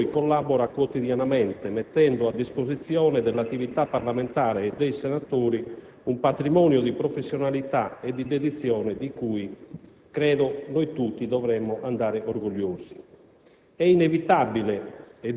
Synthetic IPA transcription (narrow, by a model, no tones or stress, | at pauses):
jkolːabɔɾakwot̪iðjanamɛnt̪emɛt̪ːɛnd̪oad̪ːispozit̪sːjɔːnɛd̪ɛlːat̪ːivit̪apːaɾlament̪aːɾeːd̪ːejsɛnat̪oːɾi | umpat̪ɾimɔːnjod̪ipɾofesːjɔnalit̪aed̪ːid̪ed̪it̪sːjɔːnɛd̪ikui | kɾɛːðonojt̪ut̪ːid̪ɔvɾɛmːoʔand̪aːɾeʔoɾɡoʎːoːz̥i | ɛinevit̪abileɛ